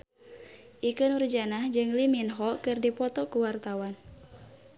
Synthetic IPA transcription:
ʔikɨnurd͡ʒanahd͡ʒɨŋliminɦɔkɨrdipɔt̪ɔkuwart̪awan

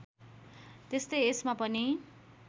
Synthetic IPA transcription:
t̪est̪ʌjesmapʌni

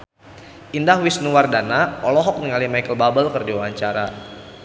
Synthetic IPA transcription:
ʔindahwisnuwardanaɔlɔɦɔk̚nəŋalimajkəlbabəlkərdiwaaɲt͡ʃaɾa

